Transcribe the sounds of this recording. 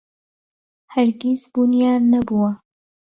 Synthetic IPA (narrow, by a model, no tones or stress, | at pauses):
hɐɾɡizbunijaːnːɐbuwɐ